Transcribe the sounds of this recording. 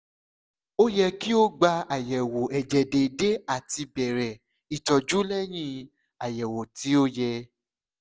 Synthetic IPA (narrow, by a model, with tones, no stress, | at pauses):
o˦jɛ˧ki˦o˦ɡ͡ba˧a˨jɛ˨wo˨ɛ˨d͡ʒɛ˨de˨de˦a˦˨ti˧bɛ˨ɾɛ˨ | i˨tɔ˨d͡ʒu˦lɛ˦j̃ĩ˦˧ | a˨jɛ˨wo˨ti˨˦o˦jɛ˧